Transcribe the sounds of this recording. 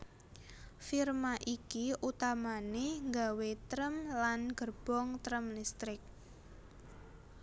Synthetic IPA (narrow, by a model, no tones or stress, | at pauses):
firmaʔikiʔut̪amaneŋɡawet̪ɾəmlanɡ̥ərb̥ɔŋt̪ɾəmlist̪ɾɪk̚